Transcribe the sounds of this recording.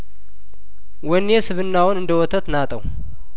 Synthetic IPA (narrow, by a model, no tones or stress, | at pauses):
wɔnːesɨβɨnːawɔnɨnd̪əwɔt̪ʰət̪nat̪ʼəw